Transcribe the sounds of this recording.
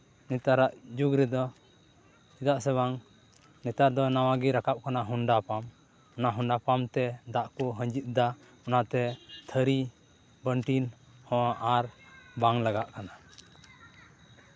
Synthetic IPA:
nit̪aɾaʔd͡ʒuɡɾɛd̪ɔ | id̪aʔsɛβaŋ | nɛt̪aɾd̪ɔnawaɡiɾakap̚kanaɦuɳɖapam | ɔnaʔɦunɖapamt̪ɛd̪aʔkɔɦəɲd͡ʒit̪̚ˀd̪a | ɔnat̪ɛt̪ʰəɾi | bəɳʈin | hɔ̃aʔaɾbaŋlaɡaʔkana

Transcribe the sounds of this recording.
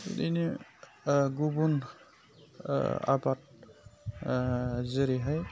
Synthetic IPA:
ṵdini | ɡubun | a̰bat̚ | zeɾiɦaj

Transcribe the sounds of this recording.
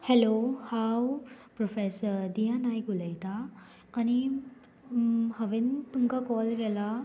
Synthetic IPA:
hɛlohawpɾɔfesəɾd̪ijanajɡuləjt̪aː | ni | haʋenpuŋkakɔlɡɛla

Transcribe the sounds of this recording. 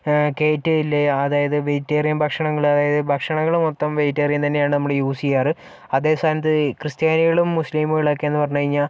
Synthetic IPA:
ke̞ːtːɨilːeɐðaːjɐðɨʋejitːeːrjɐmbʱɐkʂɐɳɐŋːɐɭuɐðaːjɐðɨbʱɐkʂɐɳɐŋːɐɭumot̪ːɐmʋejitːɐrijunt̪ɐnːejaːɳɨnɐmːuɽejuːsijaːrɨ | ɐðe̞ːst̪ʰaːnjɐt̪̬ːɨkrɨst̪jaːniɣɐɭumːusliːmuɣiɭɐːkːeenːɨpɐrɐɲːukɐɻiɲːaːl

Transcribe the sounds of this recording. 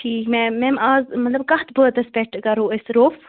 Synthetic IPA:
ʈʰiːkmɛ̃mɛ̃maːzmɐt̪lɐbkɐht̪bəːt̪ɐspɛʈʰkɐɾoesɾoːf

